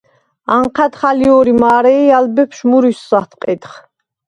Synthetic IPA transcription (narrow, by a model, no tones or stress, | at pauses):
aɴqʰat̪χaliɔɾimaːɾɛialbɛpʰʃmuɾisːat̪ʰqʼɛt̪χ